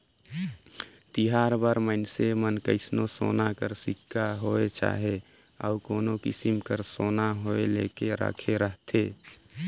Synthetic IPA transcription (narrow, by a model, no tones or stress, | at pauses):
t̪iɦaːɾbaɾməɪnsemənkəɪsnoso̰ːnakəɾsɪkːaɦoet͡ʃa̰ɦe | ə̰ukoːnokɪ̰simkəɾsoːnaɦoelekeɾə̰kʰeɾəɦt̪ʰeː